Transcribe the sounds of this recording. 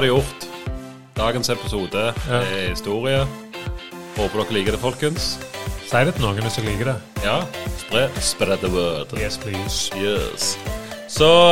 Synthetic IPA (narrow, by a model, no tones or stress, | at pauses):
ɑd̪ʉjʊʁt̪ | d̪̥ɑːɡənsɛpɪsuːd̪əɛhɪst̪uːʁɪə | hoːpəd̪ɔkːliːkəd̪ɛfɔlkənssæɪd̪ɛt̪noːɡənəsɔliːɡəd̪ɛjɑːspʁɛspɾɛd̪əwøːd̪̥sjɛssɔ